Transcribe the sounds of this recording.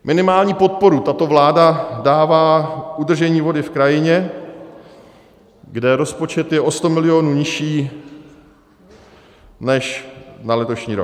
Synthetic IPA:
mʔɪnɪmaːlɲiːpo̞t̪̚po̞ɾut̪at̪o̞vlaːdadaːvaːʔud̪r̩ʒɛɲiːvo̞dɪfkɾajɪɲɛ | ɡdɛɾo̞spo̞t͡ʃɛt̪jɛʔo̞st̪o̞mɪlɪo̞ːnuːɲɪʃiː | nɛʃnalɛt̪o̞ʃɲiːɾo̰k

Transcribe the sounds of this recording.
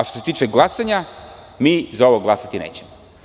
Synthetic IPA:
ʃt̪oset̪iːt͡ʂeɡlˠasaɲa | miːzao̞ʋoɡlˠasat̪inḛːt͡ɕemo

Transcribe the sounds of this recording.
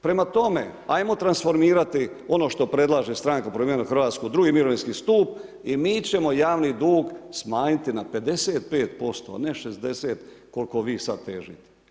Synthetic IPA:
pɾe̞mat̪o̞me̞̰ajmo̞t̪ɾansfo̞ɾmiːɾat̪i | o̞no̞ʃt̪o̞pɾe̞d̪lˠaːʒest̪ɾaŋkapɾomijeenaxɾrʋaːt̪skud̪ɾuɡimiɾo̞ʋinskiːst̪uːp̚ | imiːt͡ɕe̞mo̞jaːʋnid̪uːɡsmaːɲit̪inape̞d̪eseːt̪̚peːt̪po̞st̪o̞̰a̰ne̞ʃezd̪e̞seːt̪ko̞lko̞ʋiːsad̪̚t̪ḛːʒḭt̪e̥

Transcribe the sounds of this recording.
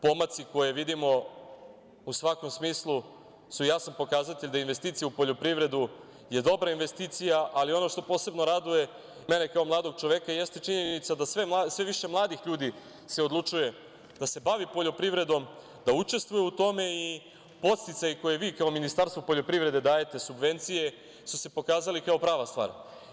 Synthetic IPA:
po̞mat̪siko̞je̞ʋid̪imo̞ | usʋako̞msmiːslˠu | sujasanpo̞kaːzat̪eʎʲd̪ainʋe̞st̪iːt̪sijaupo̞ʎo̞pɾiʋɾe̞d̪u | je̞d̪o̞bɾainʋe̞st̪it̪sijaʔalio̞no̞ʃt̪o̞po̞ːse̞bno̞ɾad̪uje̞ | menekaomlˠaːd̪o̞ɡ̚t͡ʃoʋe̞kaje̞st̪e̞t͡ʃiɲenit̪sad̪asʋe̞mlasʋe̞ʋiʃe̞mlˠaːd̪ixʎuːd̪i | se̞od̪lˠut͡ʃuje̞ | d̪ase̞baʋipo̞ʎo̞pɾiʋɾe̞d̪o̞m | d̪aut͡ʃe̞st̪ʋujuut̪o̞me̞i | po̞t̪st̪it̪sajiko̞jeʋiːkaominist̪aɾst̪ʋopo̞ʎʲo̞pɾivɾe̞d̪e̞d̪aːje̞t̪e̞subʋe̞nt̪sije̞ | suse̞po̞kaːzalikao̞pɾaːʋast̪ʋa̰ːɾ

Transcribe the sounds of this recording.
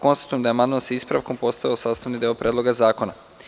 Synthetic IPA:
ko̞nst̪ḁt̪ujemd̪aeamand̪mansaispɾa̰ʋko̞mpo̞st̪ajiosaːst̪aʋnid̪eopɾʲʔeːd̪lˠo̞ɡazaːko̞na

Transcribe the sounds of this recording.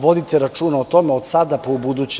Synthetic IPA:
ʋo̞d̪it̪eɾat͡ʃuːnaot̪o̞meod̪sad̪apoubud̪ut͡ɕ

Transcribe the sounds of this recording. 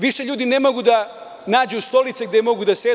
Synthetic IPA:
ʋiʃeʎuːd̪inemo̞ɡud̪a | naːd͡ʑust̪o̞lit̪seɡ̚d̪emo̞ɡud̪ase

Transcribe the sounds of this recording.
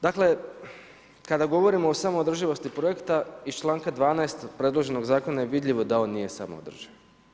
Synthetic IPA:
d̪akle̞ | kad̪aɡo̞ʋo̞ɾimoːsaːmood̪r̩ʒiʋo̞st̪ipɾo̞je̞kt̪aist͡ʃlˠaːŋkad̪ʋaːnaest̪pɾe̞d̪lˠo̞ʒe̞no̞ɡzaːko̞najeʋid̪lʎʲiʋo̞d̪ao̞ːnːije̞sa̰mo̰od̪r̩ʒiʋ

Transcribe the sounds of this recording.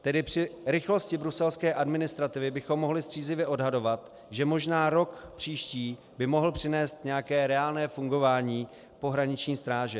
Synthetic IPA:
t̪ɛdɪpr̝̥ɪɾɪxlo̞scɪbɾusɛlskɛːʔadmɪnɪst̪ɾat̪ɪvɪbɪxo̞mːo̞ɦlɪst̪r̝̥iːzlɪvjɛʔo̞dɦado̞vat̪ | ʒɛmo̞ʒnaːɾo̞kpr̥iːʃciː | bɪmo̞ɦl̩pr̝̥ɪnɛːst̪ɲɛjakɛːɾɛaːlnɛːfuŋɡo̞vaːɲiː | po̞ɦɾaɲɪt͡ʃɲiːst̪ɾaːʒɛ

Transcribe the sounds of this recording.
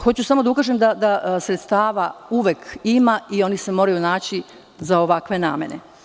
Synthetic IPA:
xo̞t͡ɕusamo̞d̪aukaːʒemd̪ad̪asɾet̪st̪aːʋauʋekimaio̞nise̞mo̞ːɾajunaːt͡ɕi | zaoʋakʋe̞naːme̞̰ne̞̰

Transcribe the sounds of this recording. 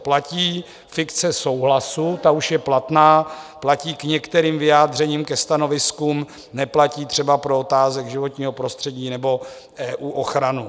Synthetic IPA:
placiː | fɪkt͡sɛso̞wɦlasut̪auʃjɛplat̪naːplaciːkɲɛkt̪ɛɾiːmvɪjaːd̪r̝ɛɲiːmkɛst̪ano̞vɪskuːm | nɛplaciːt̪r̝̥ɛbapɾo̞ot̪aːzɛɡʒɪvo̞t̪ɲiːɦo̞pɾo̞st̪r̝̥ɛɟiːnɛbo̞ | ʔɛːʔuːʔoxɾanu

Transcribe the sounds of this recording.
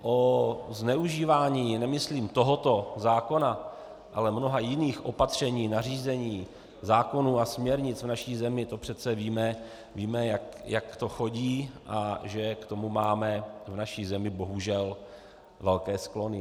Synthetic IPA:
ʔoznɛuʒiːvaːɲiːnɛmɪsliːmt̪o̞ɦot̪o̞zaːko̞na | ʔalɛmno̞ɦajɪniːxʔo̞pat̪r̝̥ɛɲiːnariːzɛɲiː | zaːko̞nuːasmɲɛɾɲɪt͡svnaʃiːzɛmɪt̪o̞pr̝̥ɛt͡sɛviːmɛ | viːmɛjakjakt̪o̞xo̞ɟiːʔaʒɛkt̪o̞mumaːmɛvnaʃiːzɛmɪbo̞ɦuʒɛl | vɛlkɛːsklo̞nɪ

